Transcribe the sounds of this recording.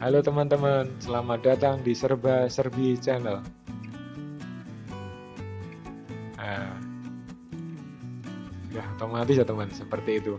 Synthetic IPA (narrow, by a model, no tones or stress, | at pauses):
kalot̪əmənt̪əmənsəlamadat̪aŋdisərbasərbit͡ʃɛnəl | a | jahot̪omat̪ɪsat̪əmənsəpərt̪iːt̪u